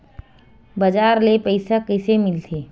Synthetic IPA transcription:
bɐd͡ʒaːɾlepəɪsakəɪsemɪlt̪ʰeː

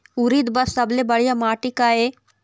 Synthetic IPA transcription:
uɾid̪bɐssɐblebɐɽijamaːʈikae

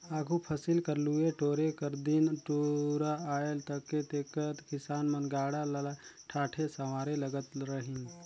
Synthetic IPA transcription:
aːkʰupʰɐsɪlkəɾlueʈoːɾekəɾd̪ɪnʈoːɾaaːelt̪əkːet̪eːkət̪kɪsaːnmə̃nɡaːɽallaʈʰaːʈʰesɐmaːɾeləɡət̪ɾəɦɪ̃n

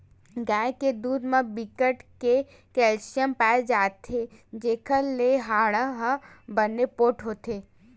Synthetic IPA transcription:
ɡaːeked̪uːd̪mãbikəʈke | kɛːlʃijəmpaːed͡ʒaːt̪ʰed͡ʒeːkʰəleɦaːɽəɦəbənːepoːʈɦoːt̪eː

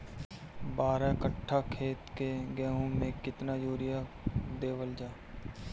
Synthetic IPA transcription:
baːɾakəʈʰːakʰeːt̪keɡɛːɦõmẽkɪt̪najoːɾɪja | d̪eːʋəld͡ʒaːe

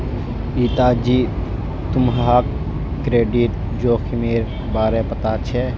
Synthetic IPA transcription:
iːt̪aːd͡ʒiː | t̪ʊmɦaːkː | ɾeːɖiʈ̚ | d͡ʒoːxʰimeːɾ | baːɾepɐt̪at͡ʃʰɛ

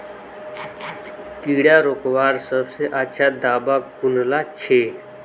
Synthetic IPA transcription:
k̪iːɽjaɾokʋaːɾsəbseʔat͡ʃʰad̪aːbakunlat͡ɕʰe

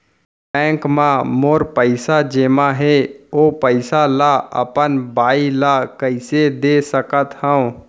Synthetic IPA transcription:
pɛ̃ːŋkmãmoːɾpəɪsad͡ʒeːmãɦeoːpəɪsalaə̰pənbaːilakəɪsed̪esəkət̪hə̃ũ

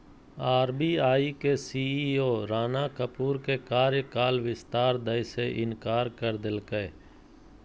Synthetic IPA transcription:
aːɾbiːaːikesiːiːoːɾaːnaːkəpuːɾkekaːɾjəkaːlʋɪst̪aːɾd̪əjseʔɪnkaːɾkəɾd̪ɪlkə

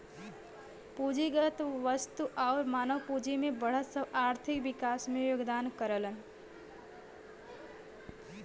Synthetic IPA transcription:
puːd͡ʒiɡət̪ʋəst̪uʔaːɾmaːnəʋpuːd͡ʒimẽbəɽ̤əsəbaːɾt̪ʰɪkʋɪkaːsmẽjoːɡd̪aːnkəɾələn

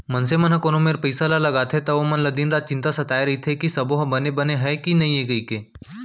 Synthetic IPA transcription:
mɐnsemɐnɦɐ̃koːnomeːɾpɐɪsalalɐɡaːt̪ʰet̪ɐʋomɐnləd̪iːnɾaːd̪̚t͡ʃɪ̃nt̪asɐt̪aːjɾɐɦit̪ʰekisɐboɦɐbɐnebɐneɦɛkinɐɦĩeɡəikeː

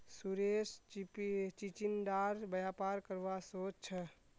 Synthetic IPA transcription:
suɾespt͡ʃit͡ʃinɖaɾbəjapaɾkəɾʋasot͡ʃt͡ʃʰə

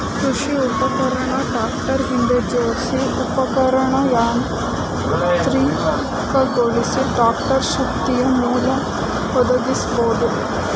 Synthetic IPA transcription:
kɾuʃiupɐkɐɾɐɳɐɖaːkʈɐɾɦind̪ed͡ʒeʋɐsiupɐkɐɾɐɳɐjaːn | t̪ɾiː | kɐɡoɭisiɖaːkʈɐɾʃɐk̚t̪ijɐnuːlɐ | ɦɔd̪ɐɡ̪isboːd̪u

